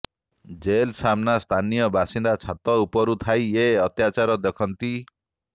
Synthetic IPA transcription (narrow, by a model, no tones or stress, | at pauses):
d͡ʒelsamnast̪ʰanijɔbʱasind̪at͡sʰat̪ɔupɔɾut̪ʰajeʌt̪jat͡ʃaɾɔd̪ekʰɔnt̪i